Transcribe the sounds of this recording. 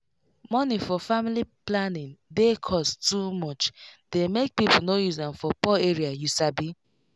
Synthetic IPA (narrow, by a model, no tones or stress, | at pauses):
mɔnifɔfamiliplanɪ̃ndekʰɔstumɔt͡ʃd̥emek̚pipol̩nojuzdɛ̃mfɔpɔeɹiajusabi